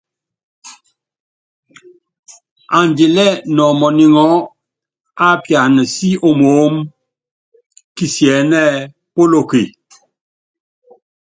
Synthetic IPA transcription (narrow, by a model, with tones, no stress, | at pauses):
a˨nde˨lɛ˦˨nɔ˨mɔ˨ni˨ŋɔ˨˦ | a˦pja˨nə˨si˦o˨mo˨˦m | ki˨sjɛː˨˦nɛ˦ | po˦lo˨ki˨